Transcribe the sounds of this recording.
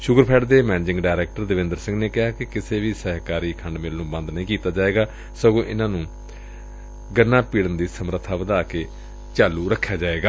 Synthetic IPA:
ʃʊkəɾpʰɛːɖd̪eːmɛːnd͡ʒɪ̃ŋɡɖaːɪɾɛːk̚ʈəɾd̪ɪʋɪ̃nd̪əɾsɪ̃ŋɡneːkɪɦaːkɪkɪseːʋiːsɛːɦkaːɾiːkʰəɳɖmɪlnũːbə̃nd̪nəĩːkiːt̪aːd͡ʒaːeːɡaː | səɡõːʔɪ̰nãːnũː | ɡənːaːpiːɽənd̪iːsəmɾət̪ʰːaːʋəd̪aːkeː | t͡ʃaːlːuːɾəkʰːjaːd͡ʒaːeːɡaː

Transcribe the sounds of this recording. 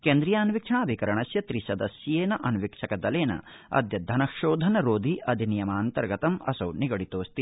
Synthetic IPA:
keːnd̪ɾijaːnʋikʂʰɐaːbʱikɐɾɐɳɐsjɐt̪ɾisɐd̪ɐsjjeːnɐʔɐnʋikʂʰɐkɐd̪ɐleːnɐ̰ | ɐ̰d̪jɐd̪ʱɐnɐkʃoːd̪ʱɐnɐɾoːd̪ʱiʔɐd̪ʱinijɐmaːnt̪ɐɾɡɐt̪ɐmɐ̰sɐwniɡɐɽit̪oːst̪i

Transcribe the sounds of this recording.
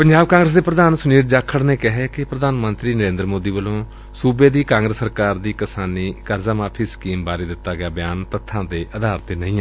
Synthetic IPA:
pəɲd͡ʒaːb̚kãːŋɡɾəs̬d̪eːpɾəd̪aːnsʊniːɾd͡ʒaːkʰːəɽneːkɪɦeːkɪpɾəd̪aːnmənt̪ɾiːnəɾẽːnd̪ɾmoːd̪iːʋəlõː | suːbeːd̪iːkãːŋɡɾəsːəɾkaːɾd̪iːkɪsaːniːkəɾzaːmãːpʰɪskiːmbaːɾiːd̪ɪt̪ːaːɡɪaːbɪjaːnt̪ət̪ʰːãːd̪eːʔəd̪aːɾt̪eːnəĩːɛː

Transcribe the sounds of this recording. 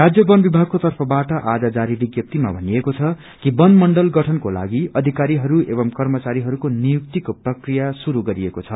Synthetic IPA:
rad͡zjʌbʌnbibʱaɡ̚kot̪ʌrpʰʌbaʈʌʔad͡zad͡zaɾibiɡjʌp̚t̪ima̰bʱʌniekot͡sʰʌ | kibʌnmʌɳɖʌlɡʌʈʰʌnkola̰ɡiʌd̪ʱikaɾiɦʌɾuebʌmkʌrmʌt͡saɾiɦʌɾukonijuk̚t̪ikoprʌkrijasuɾuɡʌɾiekot͡sʰʌ

